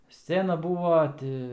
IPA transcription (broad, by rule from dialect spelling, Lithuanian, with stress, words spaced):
ˈsʲt͡sʲæːnɐ ˈbuːʋɐ ˈtʲɪ